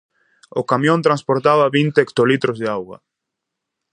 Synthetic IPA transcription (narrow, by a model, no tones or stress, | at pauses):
ʊkamjõnt̪ɾãnspoɾt̪aβaβint̪eːkt̪olit̪ɾʊzðeawɣɐ̰